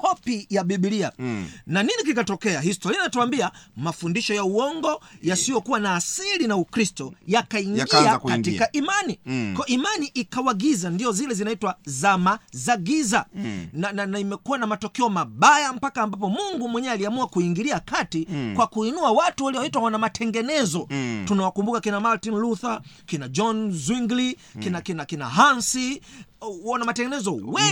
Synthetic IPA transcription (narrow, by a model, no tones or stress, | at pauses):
kɔpijaɓiɓiliananinikikatɔkɛaɦistɔɾianinatuwambiamafundiʃɔjauɔŋɡɔjasijɔkuwanaːsilinaukɾistɔjakaiŋɡakatikaʔimanikɔɔimaniʔikawaɡizandiɔzilɛzinaitwazamazaɡizanananaimɛkuwanamatɔkɛɔmaɓajam̩pakaːmbapɔmuŋɡumwɛɲɛaliamuakuiŋɡiliakatikwakuinuawatuwaliwaitwawanamatɛŋɡɛnɛzɔtunawakumbukakinamaɾtinluθakinad͡ʒɔnzwiŋɡlikinakinakina̰ɦansi | wɔnamatɛŋɡɛnɛzɔwɛ